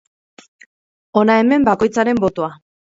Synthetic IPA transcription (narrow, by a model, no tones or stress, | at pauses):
o̞nae̞me̞mbako̞jt͡saɾe̞mbo̞t̪oa